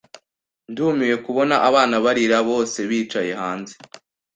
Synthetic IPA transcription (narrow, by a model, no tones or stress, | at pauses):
ndumije̞kuβo̞naʔaβaːnaβaɾiɾaβo̞ːse̞βiːt͡ʃaje̞ɦaːnze